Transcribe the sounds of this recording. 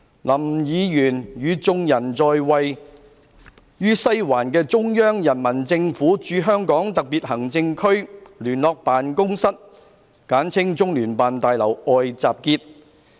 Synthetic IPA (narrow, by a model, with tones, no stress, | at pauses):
lɐ˨˩mjiː˨˧jyː˨˩njyː˨˧t͡sʊ˧ŋjɐ˨˩nt͡sɔː˧jwɐ˨j | jyː˥sɐ˥jwaː˨˩nkɛː˧t͡sʊ˥ŋjœː˥ŋjɐ˨˩nmɐ˨˩nt͡sɪ˧ŋfuː˨˥t͡ʃyː˨˧ɦœː˥ŋkɔː˨˥ŋt̪ɐ˨k̚piː˨t̚ɦɐ˨˩ŋt͡sɪ˧ŋkʰɵ˥ɥlyː˨˩nlɔː˨k̚paː˨nkʊ˥ŋsɐ˥t̚ | kaː˨˥nt͡sʰɪ˥ŋt͡sʊ˥ŋlyː˨˩npaː˨nt̪aː˨jlɐ˨˩wɔː˨jt͡saː˨p̚kiː˧t̚